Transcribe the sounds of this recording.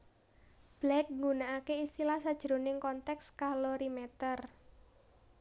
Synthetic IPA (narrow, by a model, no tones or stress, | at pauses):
b̥lɛk̚ŋɡunaakeist̪ilahsad̥ʒ̥ɾonɪŋkɔnt̪ɛkskaloɾimɛt̪ər